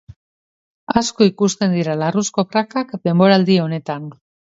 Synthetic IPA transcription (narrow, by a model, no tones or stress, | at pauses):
asko̞ikust̪e̞nd̪iɾalarusko̞pɾakakd̪e̞mbo̞ɾald̪io̞ne̞t̪an